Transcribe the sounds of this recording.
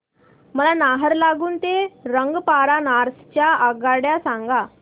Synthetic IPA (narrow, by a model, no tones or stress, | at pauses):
məlanaɦəɾlaɡuːnt̪eɾəŋɡpaɾanaɾst͡ɕjaaɡaɽjasaŋɡa